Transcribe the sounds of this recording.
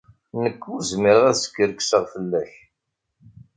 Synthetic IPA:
nəkːʊɾzmiɾəʁæðsə̥kːəɾksəʁfəlːæç

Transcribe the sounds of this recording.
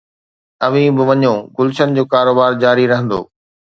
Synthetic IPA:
ɐʋĩbɪʋɐɲõɡʊlʃənɪd͡ʑoːkaːɾoːbaːɾd͡ʑaːɾiɾɐɦə̃nd̪o̰ː

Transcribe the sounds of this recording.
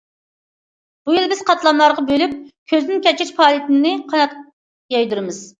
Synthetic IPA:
b̥ujilˠbɪz̥qɑt̪ʰlˠɑmlˠɑɾʁɑbølyp̚kʲʰøznɪnkʲɛt͡ʃɛʃpʰɑːlˠit̪ɪnnɪqʰɑnɑt̪ | jɑjd̪uɾɨmɨz̥

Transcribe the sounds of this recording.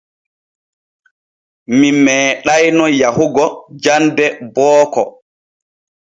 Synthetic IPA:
mimɛːɗajnɔjahuɡɔd͡ʒandɛbɔːkɔ

